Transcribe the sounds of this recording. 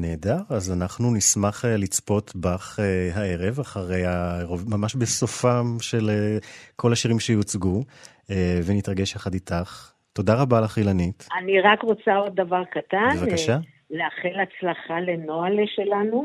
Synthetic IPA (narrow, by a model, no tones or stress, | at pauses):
ne̞ːdaʁazanaχnunismaχelit͡spo̞tbaχeɦae̞ʁe̞vaχaʁe̞jaʁovmamaʃbesofamʃe̞lekʰo̞laʃiʁimʃejot͡sɡu | evenitʁaɡe̞ʃjaχaditaχ | to̞daʁabalaχilanitaniʁakʁot͡sao̞d̪̚ːavaʁkatabnevakaʃa | leaχelat͡slaχalenoalʃelanu